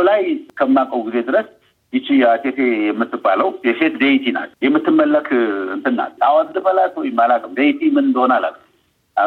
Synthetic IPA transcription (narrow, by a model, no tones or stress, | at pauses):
lajkʰəmːakʼəwɡized̪ɨɾəs | jɪt͡ʃːɪjat̪ʰet̪ejɛmːɨt̪ːɨbaləwjɛfe̞t̪d̪ejt̪ʰina̰ljɛmːɨt̪ːɨmːəlːəkʰɨ̰nt̪ʰɨnːa̰t̪awazlɨfəlat̪wɔjɪmːalakʼɨmd̪ejit̪ʰimɨnɨnd̪əhonala̰lː | a